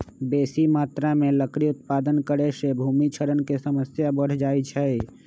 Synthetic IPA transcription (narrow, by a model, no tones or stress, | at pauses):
besimaːt̪ɾameləkɾiut̪̚paːd̪ənkəɾesebʱumit͡ʃʰəɾənkesəməsjabəɽ̤d͡ʒait͡ʃʰɛ